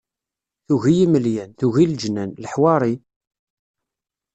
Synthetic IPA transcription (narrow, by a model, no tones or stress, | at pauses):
θuɣijiməljænθuʝild͡ʒnænləħwɑɾˤi